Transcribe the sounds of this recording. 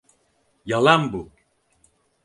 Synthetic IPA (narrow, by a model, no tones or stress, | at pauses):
jalˠanbu